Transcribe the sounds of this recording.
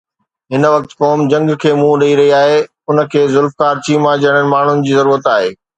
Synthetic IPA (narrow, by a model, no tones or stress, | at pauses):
ɦɪnʋɐk̚t̪koːmd͡ʑɐ̃ŋɡkʰeːmũɗɐiɾɐɦiaːɦe | ʊnə̆kʰeːzʊlfkaːɾt͡ɕiːmãd͡ʑɐɽ̃ənɪ̆maːɳ̤ʊnɪ̆d͡ʑiːzɐɾuːɾət̪aːɦeː